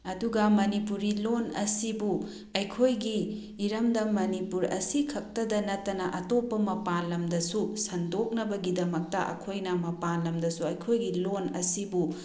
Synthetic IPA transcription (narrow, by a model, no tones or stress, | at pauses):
ɐduɡɐmɐnipuɾilonɐsibu | ɐjkʰojɡiː | ɾɐmdɐmɐnipuɾɐ̰sikʰɐk̚tɐdɐnɐtːɐnɐʔɐtopːɐmɐpalɐmdɐsusɐndok̚nɐbɐɡidɐmɐk̚tɐʔɐ̰kʰojnɐmɐpalɐmdɐsuɐjkʰojɡilonɐ̰sibu